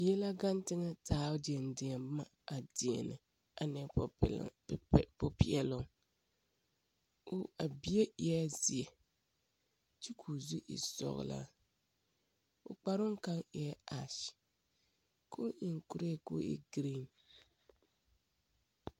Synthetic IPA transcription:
jɛ˦la˦ɡa˦n˦tɪ˦ŋa˦taː˨˦de˨n˨dɪ˨ɛ˨m˦ma˦ | a˨dɪ˨ḛ˨nɨ˨ | a˨nɛ˨po˦pi˨ɛ˨lʊ˦ŋ | ʊ˦a˨bi˦e˦i˨˦ɛ˦zi˨e˨ | ti˦kʰuː˨zu˦ʔḭ˨sɔ̰˨ɣ̰la̰˦ | ʊ̰˨k͡pa˨ɾʊ˦ŋ˦ka˦ŋɛ˨ɛ˦a˨ʃ | kʰo˦i˨ŋ˨ku˦ɾe˦ko̰˦ḭ˦ɡɾi˦n

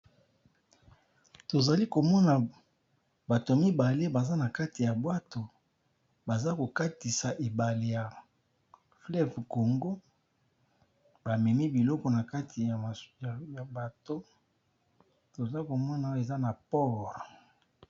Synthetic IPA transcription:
to˨za˨li˦ko˨mɔ˦na˨ | ba˨to˨mi˦ba˨le˦ba˨za˦na˨ka˦ti˨ja˨bwa˦to˨ | ba˨za˦ko˨ka˦ti˨sa˨ʔe˨ba˨le˦ja˨ | flɛ˦˨vko˨ŋɡo˦ | ba˨mɛ˨ni˦bi˨lɔ˦kɔ˨na˨ka˦tʰi˨a˨ja˨ba˨to˦ | to˨za˦ko˨mɔ˦na˨˦e˨za˦na˨pɔ˦˨ʁ

